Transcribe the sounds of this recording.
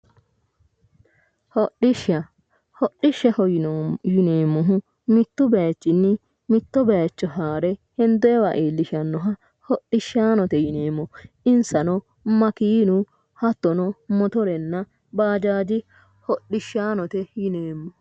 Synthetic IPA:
hɔɗɪʃɐ | hɔɗːɪʃːɛhɔjɪneːmːɔɦʊ | mɪt̪ːʊbɛjt͡ʃːɪnːɪ | mɪt̪ːɔbɛjt͡ʃːɔɦaːɾɛhɛnd̪ɔɛwaʔeːlːɪʃɐnːɔɦɐ | hɔɗːɪʃːaːnɔt̪ɛjɪneːmːɔ | ɪnsɐnɔ | mɐkiːnʊ | hɐt̪ːɔnɔmɔt̪ɔɾɛnːɐ | baːd͡ʒaːd͡ʒɪ | hɔɗːɪʃːaːnɔt̪ɛjɪneːmːɔ

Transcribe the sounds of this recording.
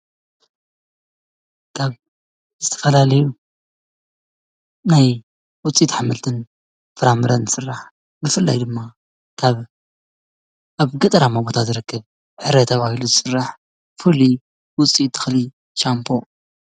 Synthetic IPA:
kʰaβ | zɨt̪ʰɐ̥fɐlalɐju | naj | wʊt͡sʼit̪ħamːɨlt̪ʰɨn | fɨɾamɨɾɐnzɨsɨrːaħ | bɨfɨlːa̰jd̪ɨmːa | kʰaβ | ʔaβɡɐt̪ʼɐɾamabot̪ʰazɨɾɨkːɨβ | ʕɨɾet̪ʰɐβahiluzɨsɨrːaħ | fɨli | wʊt͡sʼit̪ʰːɨ̥xli | ʃampʰo̞

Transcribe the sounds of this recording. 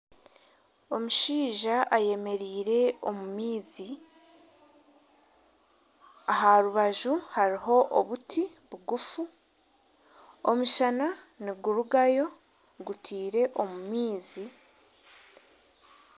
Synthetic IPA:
o̞muʃiːʒaʔaje̞me̞ɾiːɾe̞o̞mumiːzi | aɦaɾuβaʒuhaɾiɦo̞ʔoβutʰiβuɡufu | omuʃana | niɡuɾuɡajo̞ | ɡutʰiːɾe̞ʔo̞mumiːzi

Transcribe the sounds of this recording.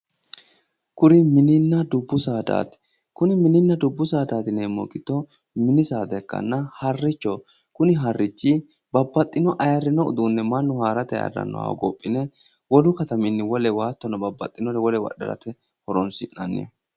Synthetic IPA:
kʊɾɪmɪnɪnːɐd̪ʊbːʊsaːd̪a̰ːt̪ | kʊnɪmɪnɪnːɐd̪ʊbːʊsaːd̪aːt̪ɪneːmɔ̰kʼɪt̪ːɔ | mɪnɪsaːd̪ɛkːɐ̰nːɐhɐrːɪt͡ʃːɔkʊnɪɦɐrːɪt͡ʃːɪ | bɐbːɐt̪ʼːɪnɔʔɐjɐɾːɪnɔʊ̰d̪uːnːɛmɐnːʊhaːɾɐt̪ɛjɐ̰rɐ̰nːɔ̰wa̰ɡɔ̰pʼːɪnɛwɔlʊkɐt̪ɐmɪnːɪwɔlɛwaːt̪ːɔnɐbɐbːɐ̰t̪ʼːɪnɔɾɛwɔlɛwɐ̰ɗɐ̰ɾɐ̰t̪ɛ | hɔɾɔnsɪʔɐnːḛ

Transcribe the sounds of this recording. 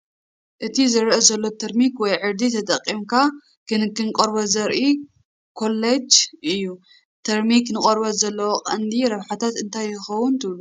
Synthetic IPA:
ʔɨt̪ʰizɨɾʔezɐlːo̞t̪ʰɐɾmikwɔjʕɨɾd̪it̪ʰɐt̪ʼɐqʼːimkʰa | kʰɨnkɨnkʼɐɾbɐzɐɾʔi | kʰo̞lːed͡ʒɨjːu | t̪ʰɐɾmiknɨkʼɐɾbɐzɐlːɐwoqʼɐnd̪iɾɐβħat̪ʰat̪ɨnt̪ʰajːɪxɐwunt̪ʰɨβlu

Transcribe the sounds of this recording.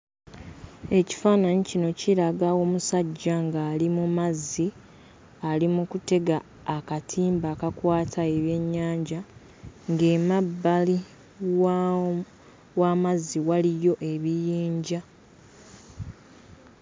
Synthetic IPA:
e̞ci̥faːnaɲicino̞ciɾaɡawo̞ːmusaɟːaŋɡaːlimumazːi | alimukute̞ɡaː | katʰiːmbaːkakwaːtʰae̞βje̞ɲːaːɲɟa | ŋɡe̞mabːali | waːmazːiwalijo̞ʔe̞βijiːɲɟa

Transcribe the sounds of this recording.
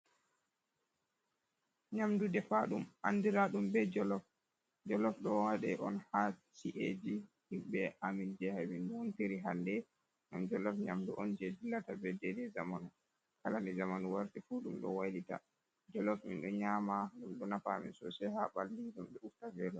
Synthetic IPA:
ɲamdudɛfaɗumʔa̰ndiɾaɗumbɛd͡ʒɔlɔf | d͡ʒɔlɔfɗɔwaɗɛʔɔnhat͡ʃiʔḛd͡ʒihimbɛʔamind͡ʒɛhaminɗuɔntiɾiɦandɛ | ŋɡamd͡ʒɔlɔfɲa̰mduʔɔnd͡ʒɛdilːatabɛdɛdɛzamanu | kalanizamanuwaɾtifuɗumɗɔ̰wajdita̰ | d͡ʒɔlɔfmḭnɗɔɲamaɗumɗɔnafamḭnsɔ̰sɛhaɓalːiɡumɗɛuftavɛlɔ

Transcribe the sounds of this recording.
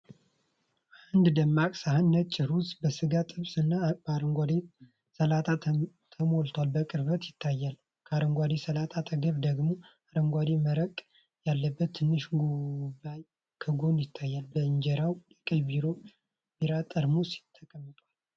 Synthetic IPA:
ʔaand̪d̪əmːakʼsahɨnːət͡ʃʼːɪɾusbəsɨɡat̪ʼɨβsɨnːaɾəŋɡʷad̪e | səlat̪ʰʼa | t̪ʰəmolt̪ʰwalbəkʼɨɾβət̪jɪt̪ʰːajːal | kʰaɾəŋɡʷad̪esəlat̪ʰʼat̪ʰʼəɡəβd̪əɡmo̞ | aɾəŋɡʷad̪eməɾəkʼ | jalːəbːət̪ʰːɨnːɨʃɡoβaj | kʰəɡo̞njɪt̪ʰːajːalbəɨɲd͡ʒɛɾawjɛkʼəjbiɾo | biɾat̪ʼəɾmusi̥t̪ʰːəkʼəmːət̪ʼwal

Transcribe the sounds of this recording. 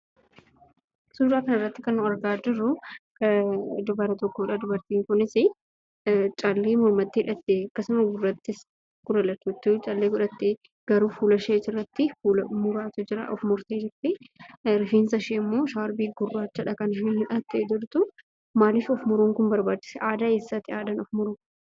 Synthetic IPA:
suːɾaːkɐnɐrːɐt̪ːɪkɐnːʊɐɾɡaːd͡ʒɪrːʊkɐd̪ʊbɐɾɐt̪ɔkːoːᶑad̪ʊbɐɾt̪iːŋkʊnɪsɪ | t͡ʃʼɐlːeːmʊɾmɐt̪ːɪhɪᶑɐt̪ːeːɐkːɐsʊmɐɡʊrːɐt̪ːɪs | ɡ̥ʊɾɐlɐt̪ːuːt̪ːʊt͡ʃʼɐlːeːɡʊᶑɐt̪ːe | ɡ̥ɐɾuːfuːlɐʃeːt̪ɪrːɐt̪ːɪfuːlmʊɾaːt̪ʊd͡ʒɪɾɐ̰ʔɔfmʊɾt̪eːd͡ʒɪɾt̪eɾɪfiːnsɐʃeːɪmːo̞ːʃaːɾbiːɡʊrːaːt͡ʃːɐᶑɐkɐnʃihɪᶑɐt̪ːed̪ʊlt̪ʊ | maːlɪfɔfmʊɾuːŋkʊnbɐɾbaːt͡ʃːɪ̥sɛʔaːd̪akeːsːɐt̪ːɪaːd̪ɐnɔfmʊɾuː

